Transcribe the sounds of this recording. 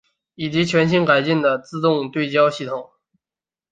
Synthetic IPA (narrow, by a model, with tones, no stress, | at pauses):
i˨˩t͡ɕi˧˥t͡ɕʰɥɛ˧˥nɕi˥ŋka˨˩ɪt͡ɕi˥˩nd̪ə˩t͡sɹ̩˥˧t̪ʊ˥˧ŋt̪we˥˩ɪt͡ɕjɑ˥ʊɕi˥˩t̪ʰʊ˨˩˦ŋ